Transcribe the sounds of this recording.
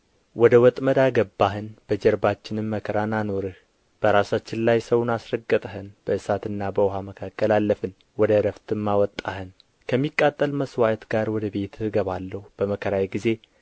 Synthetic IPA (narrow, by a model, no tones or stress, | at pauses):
wɔd̪əwɔt̪ʼməd̪aɡəbːaɦɨnb̥əd͡ʒəɾbat͡ʃːɪnɨmːəkʰəɾanano̞ɾɨh | b̥əɾasat͡ʃːɪnlajsəwʊnasɾəɡːət̪ʼəɦɨnb̥əʔɨsat̪ɨnːabəʊɦaməkʰakʰʼːəlalːəfɨn | wɔd̪əɾəft̪ɨmːawɔt̪ʼːahɨn | kʰəmːikʼːat̪ʼːəlməswaʔt̪ɡaɾwɔd̪əbe̞t̪ʰɨhɨɡəβalːəhub̥əməkʰəɾajɡize̞